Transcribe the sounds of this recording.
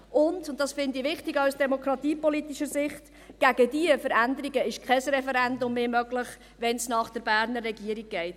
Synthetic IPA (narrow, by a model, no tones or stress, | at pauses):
ʔʊndʊntdɑsfɪndiʋɪχtiɡawsd̥ɛmokɾɑt̪iːpɔlitiʃəɾzɪχt | ɡ̥æɡ̥ədiəfəɾændəɾiɡəɪʃkʰɛsɾɛfɛɾɛndʊmːeːmœɡlɪχ | ʋɛnsnɑːχd̥əɾbæːɾnəɾːɛɡiəɾiɡ̚ɡ̥ɛɪt